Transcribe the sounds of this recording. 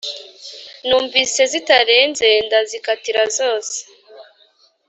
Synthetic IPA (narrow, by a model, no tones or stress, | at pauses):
nuːɱviːse̞zitaɾe̞ːnze̞ndazikatiɾazo̞ːse̥